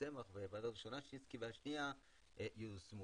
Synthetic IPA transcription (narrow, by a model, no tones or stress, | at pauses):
semaχvevad̪aiʃonaʃeiskiveaʃnia | ejusmu